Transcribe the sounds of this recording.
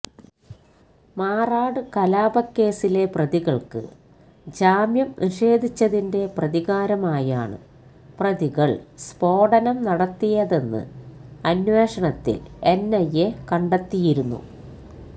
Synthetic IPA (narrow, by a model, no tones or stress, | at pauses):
maːraːɽɨkɐlaːbɐkːe̞ːsile̞prɐðiɣɐɭkɨ̰ | d͡ʑaːmjɐmniʂe̞ːd̪ʱit͡ɕːɐðinde̞prɐðiɣaːɾɐmaːja̰ːɳɨ̰ | prɐðiɣɐɭspo̞ːɽɐnɐmnɐɽɐt̪ːijɐðe̞nːɨ̰ɐnwe̞ːʂɐɳɐt̪ːḭle̞nːɐjekɐɳɖɐt̪ːijiɾunːṵ